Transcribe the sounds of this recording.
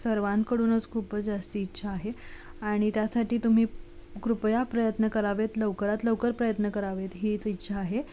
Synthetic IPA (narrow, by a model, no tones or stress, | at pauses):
səɾʋankəɽuːnət͡skʰuːpəd͡zast̪iitːɕʰaːɦeaɽ̃it̪jasaʈiːt̪um̤iː | kɾupjapɾəjət̪nəkəɾaʋet̪ləwkəɾat̪ləʋkəɾpɾəjət̪nəkəɾaʋet̪ɦit͡sitːɕʰaːɦe